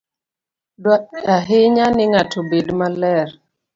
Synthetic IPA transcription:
dwaɗɛaɦɪɲanɪŋatobedmalɛɾ

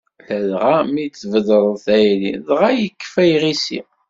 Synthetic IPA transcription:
læðʁamit͡sːvəðəɾˤθæjɾḭðʁæjəkːfæjʁisḭ

